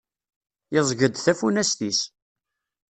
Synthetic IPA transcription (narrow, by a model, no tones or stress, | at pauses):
ɪzˤʝəd̪θæfunæsθis